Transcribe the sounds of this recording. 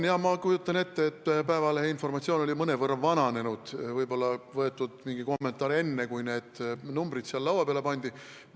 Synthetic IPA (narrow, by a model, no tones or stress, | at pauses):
njɑmɑkujut̪ːˑɑne̞t̪ːeet̪ːpæevɑleinfo̞rmɑt̪sioːno̞lʲimɤnevɤrːɑvɑnɑne̞nud̪̥vɤjbo̞lːɑvɤe̞t̪ːˑud̪̥miŋɡ̥iko̞mːe̞nt̪ːˑɑːɾe̞nːe̞kujne̞ːd̪̥numbɾid̪̥siɑlːɑwɑpeɑle̞pɑnʲd̪̥i